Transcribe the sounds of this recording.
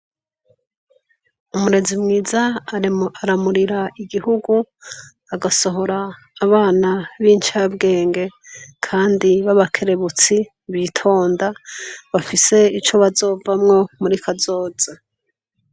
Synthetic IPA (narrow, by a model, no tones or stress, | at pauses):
umuɾe̞zimŋiːza | aɾamuɾiɾaʔiɡihuɡu | aɡaso̞ɦo̞ɾaː | βaːnaβint͡ʃabɡe̞ːŋɡe̞kʰaːndiβaβakʰe̞ɾe̞βut͡si | βiːtʰo̞ːndaβafise̞it͡ʃo̞βazo̞ːvamŋo̞muɾikʰazo̞ːz̥a